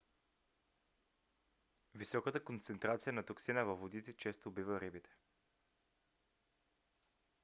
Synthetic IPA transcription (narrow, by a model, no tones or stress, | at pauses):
visɔkət̪əkont̪sɛnt̪ɾat̪sijənɐt̪oksinəvɐvːod̪it̪ɛt͡ʃɛst̪oːbivəɾibit̪ʰɛ̥